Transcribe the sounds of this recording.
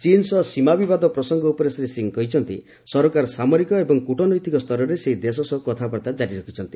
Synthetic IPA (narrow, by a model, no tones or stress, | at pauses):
t͡ʃinsɔsimabibad̪ɔpɾɔsɔŋɡɔupɔɾesɾesiŋkɔɦit͡ʃʰɔnt̪ḭ | sɔɾɔkaɾɔsamɔɾikɔebɔŋkuʈɔnɔjt̪ikɔst̪ʰɔɾɔɾeseɦid̪es̬ɔsɔkɔt̪ʰapɔɽt̪ad͡ʒaɾiɾɔkʰit͡ʃʰɔnt̪i̥